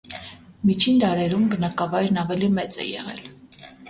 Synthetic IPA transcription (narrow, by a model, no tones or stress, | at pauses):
mit͡ʃʰind̪ɑɾɛɾumɡənɑkɑvɑjɾnɑvɛlimɛt͡sɛ̰jɛ̰ʁɛ̰l